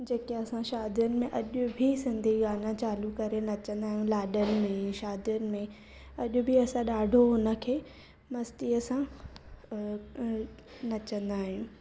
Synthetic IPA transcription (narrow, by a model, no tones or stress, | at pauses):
d͡ʑeːkeɐsãʃaːd̪ijənɪ̆mẽʔɐʄʊbʱisɪ̃nd̪ʱiɡaːnãt͡ɕaːlukɐɾenɐt͡ɕə̃nd̪aːɦijũlaːɗənɪ̆mẽʃaːd̪ijənɪ̆mẽ | ɐʄʊ̆bʱiɐsãɗaːɖʱoɦʊnə̆kʰeː | mɐst̪iɐsã | nɐt͡ɕə̃nd̪aːɦijũ